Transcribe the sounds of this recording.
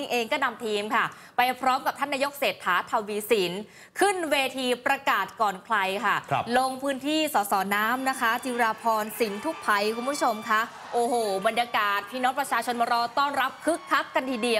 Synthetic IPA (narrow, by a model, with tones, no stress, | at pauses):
ŋʔeː˧ŋkɔː˥˩na˧mt̪ʰiː˧mkʰa˥˩ | pa˧jpʰɾɔː˦˥mka˨˩p̚t̪ʰa˥˩nːaː˧jo˦˥k̚seː˨˩t̪ʰːaː˩˦t̪ʰa˧wwiː˧si˩˦n | kʰɯ˥˩nweː˧t̪ʰiː˧pɾa˧kaː˨˩t̪̚kɔː˨˩nkʰla˧jkʰa˥˩lo˧ŋpʰɯː˦˥nt̪ʰiː˥˩sɔː˩˦sɔː˩˦naː˦˥mna˦˥kʰa˦˥t͡ɕi˧ɾaː˧pʰɔː˧nsi˩˦nt̪ʰu˦˥k̚pʰa˧jkʰu˧mpʰu˦˥t͡ɕʰo˧mkʰa˦˥ | ʔoː˧˩hoː˨˩ba˧njaː˧kaː˨˩t̪̚pʰiː˦˧˥no˦˥pɾa˧t͡ɕʰaː˧t͡ɕʰo˧nmɔː˧ɾɔː˧t̪ɔː˥˩nɾa˦˥p̚kʰɯ˦˥kʰːa˦˥kːa˧nt̪ʰiː˧˩di˧ə